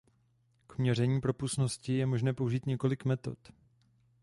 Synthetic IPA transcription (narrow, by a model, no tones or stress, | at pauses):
kmɲɛr̝ɛɲiːpɾo̞pusno̞scɪjɛmoʒnɛːpo̞uʒiːt̪ɲɛko̞lɪkmɛt̪o̞̰t̪